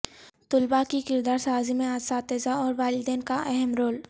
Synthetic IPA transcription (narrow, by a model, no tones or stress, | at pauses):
t̪ʊlbakikɪɾd̪aːɾsaːzimẽaːsaːt̪eːzaɔːɾʋaːlɪd̪ɛːnkaʔɛɦɛmɾoːl